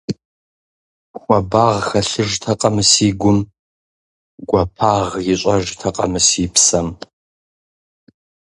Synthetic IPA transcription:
xʷʼɐbaʁxɐɬɨʒtʰɐqʼɐmɨsiːɡʷʊm | ɡ̥ʷɐpʰaʁjɪɕʷʼɐʒtʰɐqʼɐ̰mɨsiːpʰsɐm

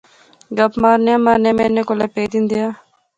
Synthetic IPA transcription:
ɡəpmaːɾnejãːmaːɾneãːmɛːneːkolaːpeːd̪ind̪ijaː

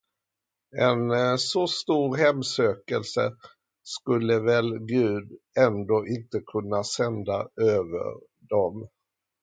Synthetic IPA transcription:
ɛnsɔst̪uːɾɦɛmːsøːkəlsə | skɵlːəvɛlɡʉ̟ːd̪ | ɛnd̪oːʔɪnt̪əkʰɵnːasɛnd̪aøːvə̰ɾ | ɖ̪ɔm

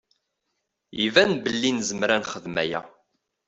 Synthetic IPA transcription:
ivænbəlːinzəmɾænχəðmæ̰jæ̰

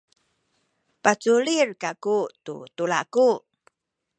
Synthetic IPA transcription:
pat͡suɭirkakutṵtuɭaku

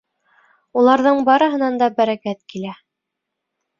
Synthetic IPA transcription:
ulˠɑɾðɤɴbɑɾɤ̆ɦɤ̆nɑnd̪ɑbæɾækæt̪kilæ

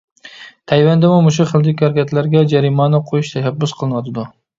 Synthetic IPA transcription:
t̪ʰajvand̪ɪmʊmʊʃ̬ʊχɨlˠd̪ɪkʲaɾkʲat̪ʰlaɾɡʲad͡ʒaɾimɑnɪqʰojʊʃt̪ʰaʃabːʊsqʰɨlˠnwad̪ɪd̪ʊ

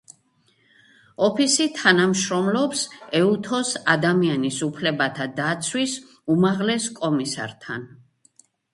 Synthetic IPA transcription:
ɔpʰisit̪ʰanamʃɾɔmlɔpsɛut̪ʰɔsad̪amianisupʰlɛbat̪ʰad̪at̪sʰwis | umaʁlɛskʼɔmisa̰ɾt̪ʰa̰n

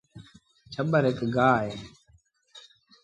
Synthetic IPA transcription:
t͡ʃʰəɓəɾekɡaːɦeː

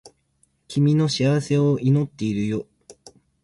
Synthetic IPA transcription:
kʲimʲino̞ɕiaβase̞oʔino̞t̪ːe̞iɾɯ̟jo

